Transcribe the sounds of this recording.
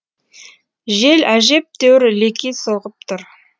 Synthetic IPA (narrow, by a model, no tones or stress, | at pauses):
ʒe̞læʒe̞p̚t̪ʰewɪɾlekʲijsoʁəp̚t̪ʰʊɾ